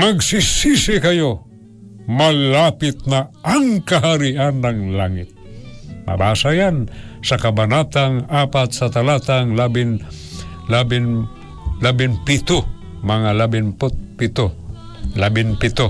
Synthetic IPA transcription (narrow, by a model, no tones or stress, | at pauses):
mɐɡsisisɪkajo | mɐlapɪt̪̚naʔaŋkaɦaɾiʔanːaŋlaŋɪt̪̚ma̰baːsajansɐkabanat̪aŋapat̪sat̪alat̪aŋlabɪn | labɪn | labɪnpɪt̪o | mɐŋalabɪnpʊt̪̚pɪt̪o | labɪnpɪt̪o